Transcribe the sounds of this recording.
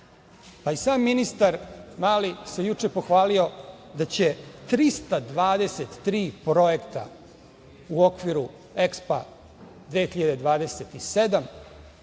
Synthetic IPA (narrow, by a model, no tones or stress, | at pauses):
paisaːmːinist̪aɾmaːlisejut͡ʂe̞po̞xʋaːlio̞d̪at͡ɕe̞t̪ɾist̪ad̪ʋaːd̪e̞set̪ːɾiːpɾo̞jekt̪a̰ | uo̞kʋiɾu | ekspa̰ | d̪ʋeːxiʎad̪e̞d̪ʋaːd̪e̞set̪ise̞d̪am